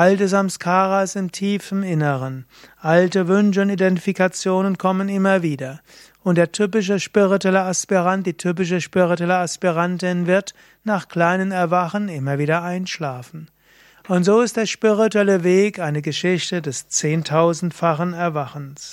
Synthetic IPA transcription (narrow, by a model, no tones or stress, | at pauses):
ʔaltəs̬amskʰaːʁasɪmtʰiːfn̩ɪnəʁən | ʔaltəvʏnʃəʊntidɛntifikat͡sjoːnənkʰɔmənɪmɐviːdɐ | ʔʊntd̥eːɐtʰyp̬ɪʃ̬əʃpiʁituɛləaspiʁantd̥iːtʰyp̬ɪʃ̬əʃpiʁituɛləaspiʁantɪnvɪɐt | naːχkl̥aɪnənɛɐvaχənɪmɐviːdɐʔaɪnʃlaːfn̩ | ʔʊntz̥oːɪstd̥eːɐʃpiʁ̞ituɛləveːkʔaɪnəɡəʃɪçtədɛst͡seːntʰaʊzn̩tfaχənɛɐvaχn̩s